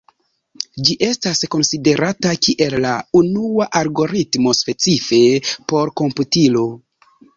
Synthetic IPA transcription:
d͡ʒiʔe̞stasko̞nside̞ɾʔatakiʔe̞lːaunuaʔalɡo̞ɾitmo̞spe̞t͡sife̞po̞ɾko̞mputilo̞

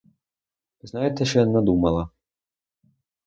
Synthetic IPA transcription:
znajɛt̪ɛʃɛnad̪umalˠa

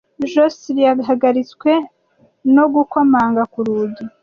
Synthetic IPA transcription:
ʒosiɾijaɡɦaɡaɾit͡skwe̞ | no̞ɡukamaːŋɡakuɾuːɟi

